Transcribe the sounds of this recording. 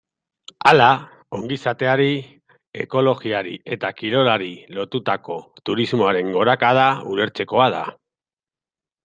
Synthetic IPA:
ala | o̞ŋɡisat̪e̞aɾi | e̞̰ko̞lo̞ɣiaɾḭe̞t̪akiɾo̞laɾilo̞t̪ut̪ako̞t̪uɾizmo̞aɾe̞ŋɡo̞ɾakaðaule̞ɾt͡se̞ko̞aða̰

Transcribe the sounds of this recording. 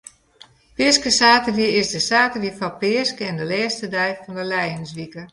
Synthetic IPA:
pɪəskəsaːtəʋiəɪsdəsaːtəʋifɔpɪəskəɛndəlɛːstədɛjfɔndəlɛjənsʋikə

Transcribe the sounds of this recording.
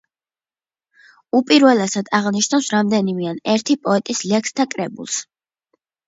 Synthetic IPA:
upʼiɾvɛlɛsad̪ʰaʁniʃnawsɾamd̪ɛnimianɛɾt̪ʰipʼɔɛt̪ʼislɛkst̪ʰakʼɾɛbṵlˠs

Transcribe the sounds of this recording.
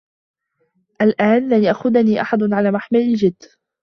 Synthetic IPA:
ʔalʔaːnlanjaʔxʊd̪aniːʔaħad̪ʕalaːmaħmalɪld͡ʒɪd̪ː

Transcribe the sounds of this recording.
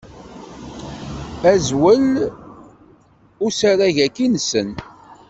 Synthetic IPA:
æzwəl | ʊsaɾaʝækinsən

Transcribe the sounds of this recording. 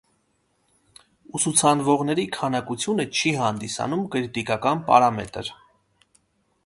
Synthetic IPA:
usut͡sʰɑnvɔʁnɛɾikʰɑnɑkut͡sʰjunət͡ʃʰihɑnd̪isɑ̰numkəɾit̪ikɑkɑnpɑ̰ɾɑmɛt̪ə̰ɾ

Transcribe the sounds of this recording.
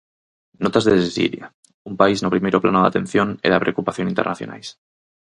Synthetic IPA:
not̪azðessḭlja | umpaiznopɾimejɾopla̰noða̰t̪ẽ̞nθjo̞nḛɾapɾe̞okupaθjonint̪e̞ɾnaθjo̞̰na̰js

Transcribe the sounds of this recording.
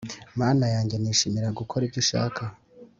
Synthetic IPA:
maːnajaːɲɟe̞niːʃimiɾaɡukʰo̞ɾivɟiʃa̰ːkʰa

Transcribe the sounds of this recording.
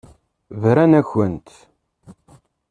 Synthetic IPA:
vɾænæçənt̪

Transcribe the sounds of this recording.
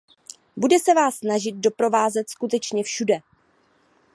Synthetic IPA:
budɛsɛvaːsːnaʒɪt̪̚dopɾo̞vaːzɛt̪skut̪ɛt͡ʃɲɛfʃudɛ

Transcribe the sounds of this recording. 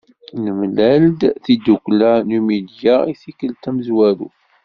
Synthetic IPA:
nəmlæld̪θid̪uklanumid̪jaiθikəlt̪æməzwæɾṵ

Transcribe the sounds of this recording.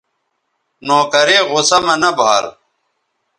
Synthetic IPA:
noːkɐɾeːɣʊsɐmɐnɐbʱa̰ːɾ

